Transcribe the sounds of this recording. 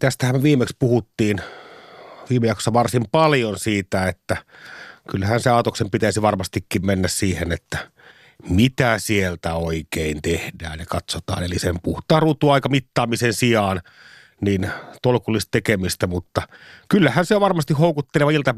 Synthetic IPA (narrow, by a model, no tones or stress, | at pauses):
t̪æst̪æhæmʋiːmˑekspuhut̪ːiːn | ʋiːmejɑkso̥sːɑʋɑrsimpɑljonsiːt̪æet̪ːækylːæhænseɑˑot̪oksempit̪æisiʋɑrmɑst̪ikːimmenːæssiːhenet̪ːæ | mit̪æsielt̪æoikeint̪ehdæ̰ːnnekɑt̪sot̪ɑ̰ːnelisempuht̪ˑɑːrut̪ːˑuɑˑikɑmit̪ːɑːmisensiɑːn | nint̪olkulːist̪t̪ekemist̪æmut̪ːɑkylːæhænseʋɑrmɑst̪ihhoˑukut̪ːeleʋɑilt̪ɑ